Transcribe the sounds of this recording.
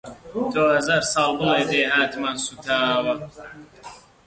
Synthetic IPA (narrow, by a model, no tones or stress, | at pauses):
d̪oːhɐzaːɾsɑːlˠbɨleːbeːɦaːt̪mansut̪ʰaːwɐ